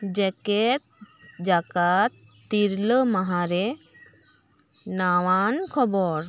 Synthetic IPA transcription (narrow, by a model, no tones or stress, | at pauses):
d͡ʒɛkɛt̪̚ | d͡ʒakat̪ː | iɾləmaɦaɾɛ | nawankʰɔbɔɾ